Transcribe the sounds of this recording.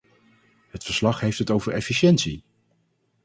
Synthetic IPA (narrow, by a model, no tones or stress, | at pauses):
ɦətfəɹslɑχɦejftɦətowvəɹɛfiʃɛntsi